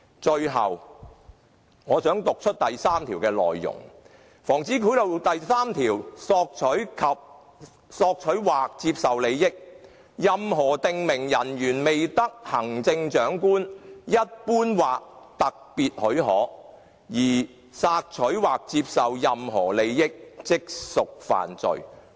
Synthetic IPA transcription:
t͡ʃɵ˧ɥɦɐ̰˨w | ŋɔː˨˧sœː˨˥ŋt̪ʊ˨k̚t͡ʃʰt̚t̪ɐ˨jsaː˥mt̪ʰiː˨˩wkɛː˧lɔ̰ː˨˩jːʊ̰˨˩ŋ | fɔː˨˩ŋt͡siː˨˥kʰu˨˥jlo˨˧wt̪ɐ˨jsaː˥mt̪ʰiː˨˩wsɔː˧k̚t͡ʃʰɵ˨˥ɥkʰɐ˨p̚ | sɔː˧k̚t͡ʃʰɵ˨˥ɥwaː˨k̚t͡siː˧p̚sɐ˨wle˨˧jjɪ˥k̚ | jɐ˨mɦɔː˨˩t̪ɪ˨ŋmɪ˨˩ŋjɐ˨˩njyː˨˩nme˨jt̪ɐ˥k̚hɐ˨˩ŋt͡sɪ˧ŋt͡ʃœː˨˥ŋkuː˥njɐ˥t̚puː˥nwaː˨k̚t̪ɐ˨k̚piː˨t̚hɵ˨˥ɥɦɔː˨˥ | jiː˨˩ | saː˧k̚t͡ʃʰɵ˨˥ɥwaː˨k̚t͡siː˧p̚sɐ˨wjɐ˨mɦɔː˨˩le˨˧jːɪ˥k̚t͡sɪ˥k̚sʊ˨k̚fa̰ː˨nt͡sɵ̰˨ɥ

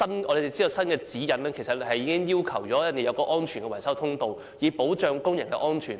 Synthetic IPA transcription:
sɐ˥nʔɔː˨˧le˧t̪e˨˩t͡siː˥o˨˧wsɐ˥nkɛː˧t͡siː˨˥jɐ˨˧nɛː˥kʰe˨˩jsɐ˨t̚hɐ˨jːiː˨˧˥kɪ˥ŋjiː˥wkʰɐ˨˩wt͡ʃɔː˨˥ɐ˥nt̪ːe˨jɐ˨˧wkɔː˧ʔɔː˥nt͡ʃʰyː˨˩nkɛ˧wɐ˨˩jsɐ˥wt̪ʰʊ˥ŋt̪o˨w | jiː˨˧po˨˥wt͡ʃœː˨ŋkʊ˥ŋjɐ˨˩ŋkɛ̰˧ʔɔː˥nt͡ʃʰyː˨˩n

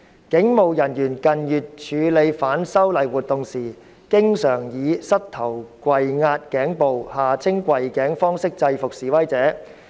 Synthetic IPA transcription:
kɪ˨˥ŋmo˨wjɐ˨˩njyː˨˩nkɐ˨njyː˨t̚t͡ʃʰyː˨˧le˨˧jfaː˨˥nsɐ˥wlɐ˨˩jwuː˨˩t̚t̪ʊ˨ŋsiː˨˩ | kɪ˥ŋsœː˨˩ŋjiː˨˧sɐ˥t̚t̪ʰɐ˨˩wkʷwɐ˨jŋaː˧t̚kɛː˨˥ŋpo˨whaː˨˩t͡sʰɪ˥ŋkʷɐ˨jkɛː˨˥ŋfɔː˥ŋsɪ˥k̚t͡sɐ˧jfʊ˨k̚siː˨˩wɐ˥jt͡sɛː˨˥

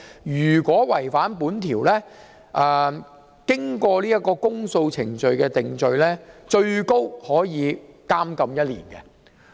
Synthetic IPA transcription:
jyː˨˩kwɔː˨˥wɐ˨˩jfaː˨˥npuː˨˥nt̪ʰiː˨˩wlɛː˥ | ʔɛː˨ | kɪ˥ŋkʷɔː˧liː˥jɐ˥t̚kɔː˧kʊ˥ŋso˧wt͡sʰɪ̰˨˩ŋt͡ʃɵ˨˧ɥkɛː˧t̪ɪ˨ŋt͡ʃɵ˧ɥlɛː˥t͡ʃɵ˧ɥko˥whɔː˨˥jiː˨˧kaː˥mkɐ˧mjɐ˥t̚lḭː˨˩nkɛ̰˧

